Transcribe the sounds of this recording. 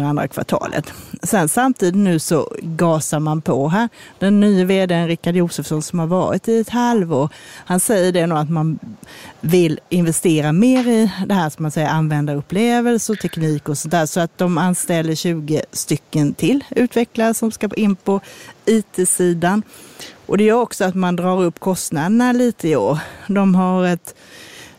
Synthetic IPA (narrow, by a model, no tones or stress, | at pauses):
and̪ɾa̰kʰva̰ʈʰɑ̰ːlʔə̰t̪sɛnsamt̪ʰiːd̪ɪt̪nʉ̟ːsɔ̰ɡɑːsamanpʰɔɦæːɾ | d̪ɛnːyːəveːd̪eːənɾɪkːad̪juːsəfsɔnsɔmhaɾvɑːɾɪ̰t̪ɪɛt̪halvo̰ːɾhansɛjːəɖɛnuːat̪man | vɪlɪnvɛst̪eːɾameːɾɪd̪ɛɦæːʂmansɛjːəɾanvɛnd̪aɾɵpːleːvəlsət̪ʰɛkniːkɔsɔnt̪æːʂɔat̪̚d̪ɔmanst̪ɛlːəɕʉ̟ːɡəst̪ʏkːənt̪ʰɪlʉ̟ːt̪vɛklaɾəsɔmskapʰʔɪnːpʰɔiːt̪ʰeːsiːd̪anʔɔd̪ɛjœːɾɔksɔat̪mand̪ɾɑːɾɵpːkʰɔst̪nad̪ənaliːt̪əɪoːɾd̪ɔmɦaɾɛt̪